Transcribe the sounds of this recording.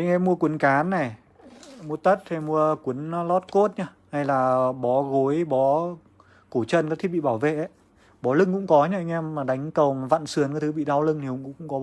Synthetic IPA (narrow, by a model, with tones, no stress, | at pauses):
ʔa˧ŋʔɛ˧mːu˧əkwə˨˦nkaː˨˦nːa˨˩j | mu˧ət̪ə˦˥t̚t̪ʰa˨˩mu˧əkwi˨˦ən˦lɔ˦˥t̚ko˦˥t̚ɲaː˧ | ha˧˩jlaː˨˩ɓɔ˨˦ɣo˨˦jɓɔ˨˦ | ko˧˩t͡ɕə˧nka˦˥k̚t̪̚ʰɓi˧˨ɓaː˧˩wvḛ˧˨ʔə˨˦j | ɓɔ˨˦lɨ˧ŋkʊ̰˧˥ŋ͡mkɔ˨˦ɲa˧ʔa˧ŋ̟ʔɛ˧mːaː˨˩ɗa˨˦jŋ̟kə˨˩wva̰˧˨nsɨ˨˩ənka˨˦t̪ʰɓḭ˧˨ɗa˧wlɨ˧ŋt̪ʰi˨˩hʊ̰˧˨ŋ͡mkʊ̰˧˥ŋ͡mkʊ̰˧˥ŋ͡mkɔ˨˦